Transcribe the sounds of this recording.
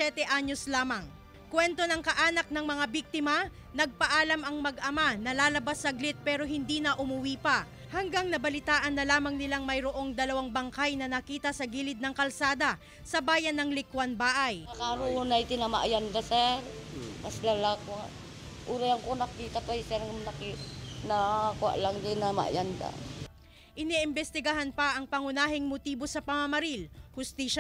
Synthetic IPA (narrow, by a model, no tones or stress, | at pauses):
ɛt̪ɛʔaɲo̞slaːmɐŋ | kwɛnt̪o̞nɐŋkɐʔaːnɐk̚nɐŋmɐŋabiɡ̚t̪ɪmɐ | nɐɡ̚pɐʔaːlɐmɐŋmɐɡʔɐmanɐlaːlɐbasːɐɡlɪt̪̚pɛːɾo̞ɦɪnd̪iːnɐʔʊmʊwiːpɐ | hɐŋɡaŋnɐbɐlɪt̪aːʔɐnːɐlaːmɐŋnɪlaŋmɐjɾoʔo̞ŋd̪ɐlɐwaŋbɐŋkajnɐnɐkiːt̪ɐsɐɡiːlɪd̪̚nɐŋkɐlsaːd̪ɐ | sɐbaːjɐnːɐŋlɪkwanbaːʔajakaɾuunajt̪ɪnamaʔjand̪asɛɾ | maslalakwaʔ | ʔuɾajaŋkonakiːt̪apajsɛɾnakinakwa̰ʔlaŋt̪ɪnama̰jand̪a̰ | ʔɪniʔɪmbɛst̪ɪɡɐɦanpɐʔɐŋpɐŋʊnaːɦɪŋmot̪iːbo̞sɐpɐmɐmɐɾilhʊst̪iːʃa